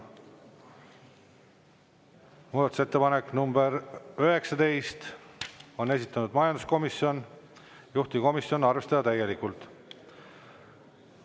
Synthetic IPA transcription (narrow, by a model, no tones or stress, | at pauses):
muːd̪ɑt̪u̥set̪ːepɑnekːˑnumbe̞ɾøɦe̞ksɑt̪e̞jst̪ | o̞nes̬it̪ːˑɑnud̪mɑjɑnd̪usko̞misio̞n | juht̪iko̞misio̞nɑrve̞st̪ɑd̪ɑt̪æjːe̞likˑult̪ˑ